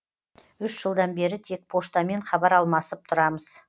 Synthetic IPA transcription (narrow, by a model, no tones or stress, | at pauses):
ʏʃʒəlˠd̪ɑnbe̞ɾɪt̪ʰe̞k̚pʰo̞st̪ɑme̞ɴχɑbɑɾɑlˠmɑsəp̚t̪ʰʊɾɑməz̥